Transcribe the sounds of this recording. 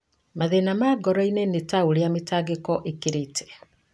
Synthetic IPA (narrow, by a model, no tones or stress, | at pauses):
maðenamaɡɔɾɔinenetaoɾeametaɡekɔʔekeɾetʰɛ̥